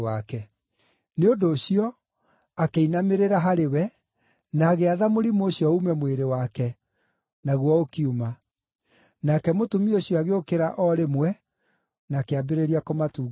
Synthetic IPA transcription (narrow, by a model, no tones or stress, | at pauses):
akɛ | neondoːɕiɔ | akeinameɾeɾaɦaɾewɛ | naːɣeaðamoɾimoːɕjɔumɛmweɾewakɛ | naɣwɔokiuma | nakɛmotomioɕjɔaɣeokeɾaʔɔɾemwɛ | nakeabeɾeɾiakomatuː